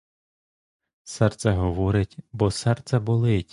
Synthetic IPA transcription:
sɛrt̪sɛɦɔʋɔɾɪtʲbɔsɛrt̪sʲɛbʊlˠɪtʲ

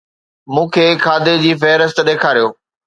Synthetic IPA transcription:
mũːkʰeːkʰaːd̪ed͡ʑiːfɛɦɾəst̪ɗeːkʰaːɾijoː

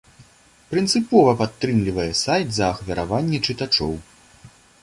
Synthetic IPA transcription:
pɾɨnt̪sɨpɔvɐpat̪ːɾɨmlʲivɐjɛsajt̪zɐːxvʲɐɾavanʲːɛt͡ʂɨt̪at͡ʂɔ̰w

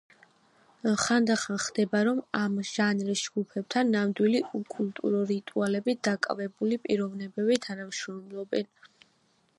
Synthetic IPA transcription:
χand̪aχanχd̪ɛbaɾɔmamʒ̥anɾisd͡ʒɡupʰɛb̚t̪ʰanːamd̪wiliukʼult̪ʼṵɾɔɾit̪ʼualɛbid̪akʼa̰vɛbulipʼiɾɔvnɛbɛbit̪ʰanamʃɾɔmlˠɔbɛn

